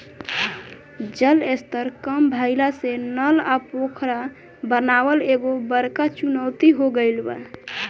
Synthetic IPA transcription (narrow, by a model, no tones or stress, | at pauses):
d͡ʒəlest̪əɾkəmbʱaɪlasenəlapokʰɾa | bənawəleɡobəɾkat͡ʃunəwt̪iɦoɡəɪlbə̰